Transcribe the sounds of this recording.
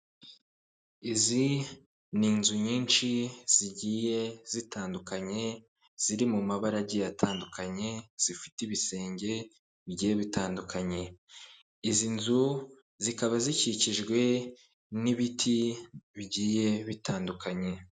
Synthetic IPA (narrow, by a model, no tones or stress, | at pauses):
izi | niːnzuɲiːnt͡ʃiz̥iɟiːje̞z̥itʰaːndukaɲe̞ | z̥iɾimumaβaɾaɟijatʰaːndukʰaɲe̞z̥ifi̥tiβise̞ːɲɟe̞ | βiɟiːje̞βitʰaːndukʰaɲe̞ | izinzu | zikaβaziciciʒɡwe̞ | niβitʰiβiɟiːje̞βitaːndukʰaɲe̞